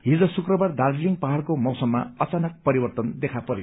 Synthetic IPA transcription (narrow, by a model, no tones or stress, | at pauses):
ɦid͡zʌsukrʌbard̪aldliŋpaɦaɭkomʌwsʌmːa̰ʌt͡sanʌk̚pʌɾibʌrt̪ʌnd̪ekʰapʌɾe